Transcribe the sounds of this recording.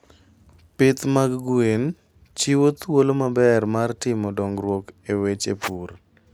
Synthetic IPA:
pɪt̪maɡɡuen | t͡ʃiwot̪wolomabɛrmartɪmɔdɔŋɡɾwokewet͡ʃepur

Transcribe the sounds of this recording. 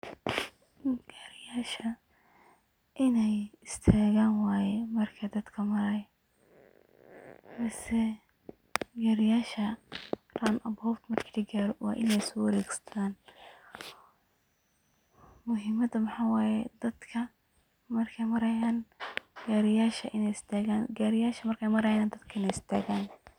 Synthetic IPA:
ɡ̥aɾɪjaːʃɐ | ʔɪnɛjɪst̪ʰaːɣaːnwɑːjɛmɐrkʰɐd̪ɐd̪kʰɐmɐɾɐj | mɐsɛ | ɡaːɾɪjaːʃɐraːnʔɐbɔːbt̪mɐrkʰidɐɡaːɾɔwɑ̰ːʔɪnɛjsɔːwɐɾɛːɡsɐ̥t̪ʰaːn | mʊɦɪmɐd̪ɐmɐħɑwaːjɛd̪ɐd̪kʰɐ | mɐrkʰɛjmɐɾɐjaːnɡ̥aːɾɪjaːʃɐʔɪnɛjɪst̪ʰaːɣaːnɡaːɾɪjaːʃɐmɐrkʰɛjmɐɾɐjaːnd̪ɐd̪kʰɐɪnɛjɪst̪ʰa̰ːɣaːn

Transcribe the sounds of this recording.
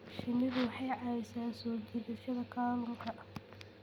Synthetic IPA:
ʃɪnːɪɣʊwɑħɑjʕɑɛsaːnsɔːd͡ʒɪðɪʃɐðɐkʰaːlʊŋkʰɐʔɐ

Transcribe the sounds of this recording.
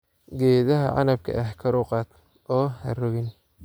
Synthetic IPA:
ɡɛːðɐɦɐ̰ʕɑ̰nɐb̚kʰɐ̰ʔɐhkʰɐɾʊːqɑːd̪ | ʔɔːhɐ̰rɔɣɪn

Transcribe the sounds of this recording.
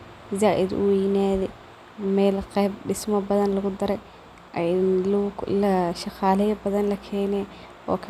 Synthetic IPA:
zaːʔɪ̰d̪ʊ̰wɛjnaːðɛ | mɛːlqɛjbɖɪsmɐbɐðɐnlɐɣʊd̪ɐɾɛj | llɐʃɑqɑːlɛjɐbɐðɐnlɐkʰɛːnɛ | ɔ̰ːkʰ

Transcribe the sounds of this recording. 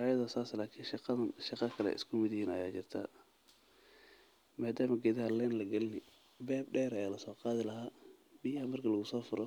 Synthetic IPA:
ʔajɐðɐsaːslaːkʰiːnʃɑqɑðɐʃɑqɑkʰɐlɛ̰ʔɪ̰skʰʊmɪðhiːnɐ̰jaːt͡ʃɪrt̪ʰa̰ː | maːd̪aːmɐɡɛðɐɦɐlɛːnlɐɡɐlnɪ | bɛːb̚ɖɛːɾɐjaːlɐsɔːqɑːðɪlɐɦaːbɪjɐhɐmɐrkʰɐlɐɣʊsɔːfʊɾʔɔ

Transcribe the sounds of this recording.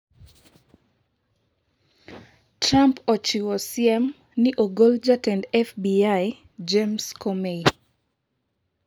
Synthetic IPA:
tɾampɔt͡ʃiwɔsjɛm | nɪʔoɡold͡ʒatɛndɛfbiaj | d͡ʒemskomei

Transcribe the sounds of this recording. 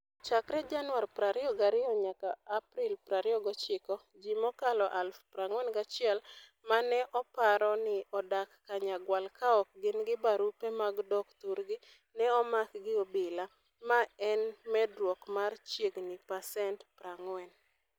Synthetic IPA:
t͡ʃakɾɛd͡ʒanwarpɾaɾɪɔɡaɾɪɔɲakaːpɾilpɾaɾɪɔɡɔt͡ʃɪkɔ | d͡ʒimɔkalɔʔalfpɾaŋwɛnɡat͡ʃɪɛlmanɛʔɔpaɾɔnɪɔdakːaɲaɡwalkaɔk̚ɡɪnɡɪbaɾupɛmaɡdɔkt̪uɾɡɪ | nɛɔmakɡɪobɪla | maɛnmɛdwɔkmart͡ʃjeɡnɪpasɛntpɾaŋwɛn

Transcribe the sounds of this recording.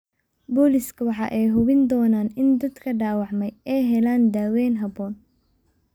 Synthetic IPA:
bɔːlɪskʰɐwɑħɑ̰ʔɛjɦʊβɪnd̪ɔːnaːnɪnd̪ɐd̪kʰɐɖaːwɑʕmɛjɛjɦɛlaːnd̪aːwɛːnɦɐbɔːn

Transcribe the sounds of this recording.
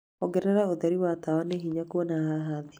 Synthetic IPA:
ɔɡɛɾɛɾaoðɛɾiwatawaneɦiɲakuɔnaɦaɦaði

